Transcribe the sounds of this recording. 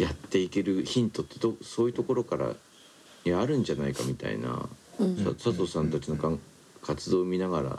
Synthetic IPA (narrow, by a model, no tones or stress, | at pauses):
jat̪ːe̞ike̞ɾɯ̟çĩnt̪o̞t̪ːe̞d̪oso̞ːjɯ̟t̪o̞ko̞ɾo̞kaɾa̰ | aɾɯ̟̃ɲ̟d͡ʑanaikamʲit̪a̰ḭna̰sasat̪o̞sãnt̪at͡ɕino̞kã | kat͡sɨd̪o̞ːmʲinaɡaɾa̰